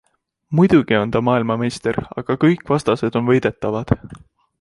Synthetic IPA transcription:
mujd̪̥uɡ̥io̞nt̪ɑmɑːilmɑme̞jst̪e̞rɑ̰ɡ̥ɑkɤjkːˑvɑst̪ɑse̞d̪̥o̞nvɤjd̪̥e̞t̪ːˑɑvɑd̪̥

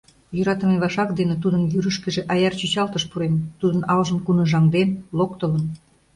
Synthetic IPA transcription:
jøɾɑt̪ə̆meβɑʃɑkd̪enet̪ud̪ənjyɾəʃkĕʒĕʔɑjɑrt͡ɕyt͡ɕɑlt̪əʃpuɾent̪ud̪ənɑlʒəmkunə̆ʒɑŋd̪enlokt̪ə̆lən

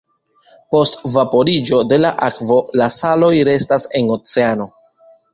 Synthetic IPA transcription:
po̞stvapo̞ɾid͡ʒo̞de̞laʔakvo̞lasalo̞jɾe̞stase̞no̞t͡se̞ano̞

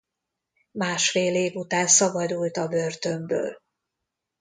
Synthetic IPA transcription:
maːʃfeːleːvut̪aːnsɒbɒd̪ult̪ɒbørt̪ø̞mbø̰ːl

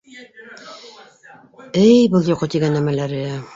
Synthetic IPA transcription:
ɘjbɤlˠjoqɤt̪iɡænːæmælæɾɘæ

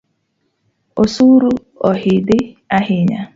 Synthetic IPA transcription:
osuɾu | ɔɦɪdɪaɦɪɲa

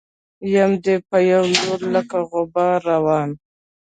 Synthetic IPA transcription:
jamd̪epəjawloɾlakaɣʊbɑɾawɑːn

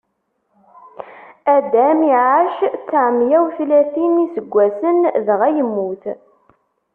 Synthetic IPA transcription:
æd̪æmiʕaʃt͡sːəʕmjæwθlæθinisəɡʷːæsənðʁæjəmːuθ

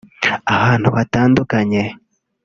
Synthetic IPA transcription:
ahaːn̥huβataːndukaɲe

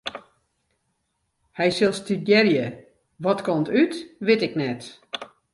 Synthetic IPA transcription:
hɛjsɪlˠstiɡjɛrjə | ʋɔtkɔmtytʋɪtɪknɛt

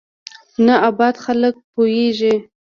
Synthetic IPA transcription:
naabɑd̪xalək̚pojeʒi

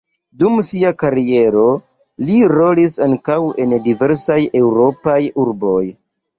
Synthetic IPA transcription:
dumsiakaɾie̞ɾo̞ | liɾo̞lisaŋkawe̞ndive̞ɾsaje̞wɾo̞pajuɾbo̞j

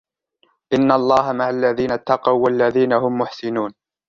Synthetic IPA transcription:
ʔɪnːalˤːɑːɦamaʕalːaðiːnat̪ːɑqɑwːalːaðiːnaɦʊmːʊħsɪnuːn

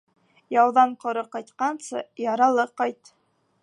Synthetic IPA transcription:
jɑw̪ˠd̪ɑɴqʰŏɾɤqɑjt̪qɑnsɤjɑɾɑlˠɤqɑjt̪

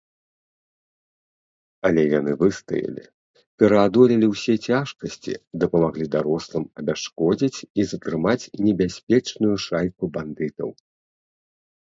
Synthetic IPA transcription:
ɐlʲɛjanɨvɨst̪ɐ̰jɐ̰lʲḭ | pʲɛɾɐad̪ɔlʲilʲiwsʲɛt͡sʲaʂkɐsʲt͡sʲḭd̪ɐpɐmaɣlʲid̪aɾɔslˠɨmɐbʲaʂkɔd͡zʲit͡sʲizɐt̪ɾɨmat͡sʲnʲɛbʲasʲpʲɛt͡ʂnujuʂajkuband̪ɨt̪ɐ̰w

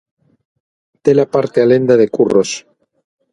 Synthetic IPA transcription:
t̪elapaɾt̪ealend̪aðekuros

